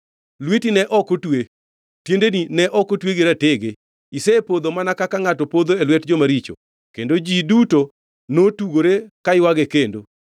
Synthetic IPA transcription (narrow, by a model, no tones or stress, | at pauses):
lwetinɛʔɔkotwe | tjendeninɛʔɔkotweɡeɾateɡe | isɛpod̪omanakakaŋatɔpod̪oelwɛtd͡ʒomaɾit͡ʃo̰ | kendod͡ʒiduto | notuɡoɾekaɪwaɡekendo̰